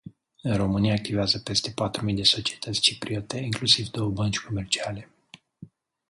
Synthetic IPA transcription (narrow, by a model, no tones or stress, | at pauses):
ɨnro̞mɨniaːk̚t̪iveazəpe̞st̪e̞pat̪ɾumid̪e̞so̞t͡ʃie̞t̪ət̪sʲt͡ʃipɾiot̪e̞iŋklusivd̪o̞wəbənt͡ʃʲko̞me̞rt͡ʃiale̞